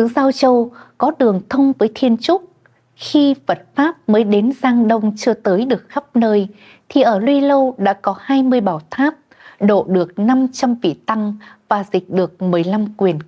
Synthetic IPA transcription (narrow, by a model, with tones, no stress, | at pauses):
ɨ˨˧˦zaː˧wt͡ɕə˧wkɔ˨˦ɗɨ˨˩əŋt̪ʰə˧wŋ͡mvəː˨˦jt̪ʰi˧ənt͡ɕʊ˦˥t̚ | xi˧və˨˩t̚faː˦˥p̚məː˨˦jɗe˨˦nzaː˧ŋɗə˧wŋ͡mt͡ɕɨ˧ət̪əː˨˦jɗɨ˨˩ək̚xa˦˥p̚nəː˧j | t̪ʰi˨˩ʔəː˧˩lwi˧lə˧wɗa̰ː˧˥kɔ˨˦haː˧jmɨ˧əjɓaː˧˩wt̪ʰaː˦˥p̚ | ɗo̰˧˨ɗɨ˨˩ək̚na˧mt͡ɕa˧mvḭ˧˨t̪a˧ŋvaː˨˩zï˨˩k̟̚ɗɨ˨˩ək̚mɨ˨˩əjla˧mkwi˨˩ən